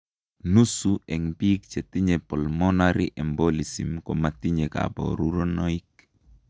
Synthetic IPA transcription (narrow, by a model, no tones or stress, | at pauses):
nusuʔɛŋpikt͡ʃɛtiɲɛpɔlmɔnaɾiʔɛmbɔlisḭmkɔmat̪iɲeka̰ba̰o̰ɾuɾonɔik